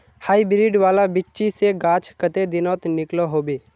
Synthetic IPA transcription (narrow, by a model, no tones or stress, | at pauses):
haːibɾiɖʋaːlabɪt͡ʃːt͡ʃiseɡaːt͡ʃʰkət̪ed̪ɪnɔːt̪nɪkloɦoːbeː